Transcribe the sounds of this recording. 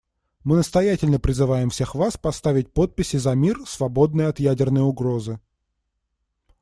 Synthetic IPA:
mɨnəst̪ɐjætʲɪlʲnəpɾʲɪzɨvajɪmfsʲe̞xvaspɐst̪avʲɪt̚ʲpo̞t̪̚pʲɪsʲɪzɐmʲirsvɐbo̞d̪̚nɨjəɐt̪jædʲɪrnəjʊɡɾo̞zɨ

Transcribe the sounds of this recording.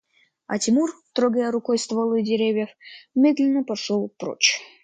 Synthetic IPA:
ɐ̰tʲɪmurt̪ɾoɡəjəɾʊkojst̪vɐlˠɨdʲɪɾʲevʲjəfmʲed̪lʲɪnːəpɐʂolˠpɾo̰t͡ɕ

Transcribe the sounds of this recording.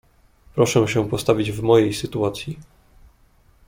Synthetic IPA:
pɾɔʂɛ̃ɕɛpɔst̪avʲid͡ʑvmɔjejsɘt̪uat̪sʲji

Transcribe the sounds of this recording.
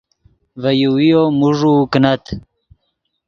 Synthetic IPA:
vɐjuwijomuʐuknɐt̪

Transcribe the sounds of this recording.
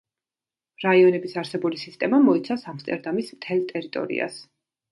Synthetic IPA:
ɾaiɔnɛbisaɾsɛbulisist̪ʼɛmamɔit̪sʰasamst̪ʼɛɾd̪amismt̪ʰɛlˠt̪ʼɛɾit̪ʼɔ̰ɾḭa̰s

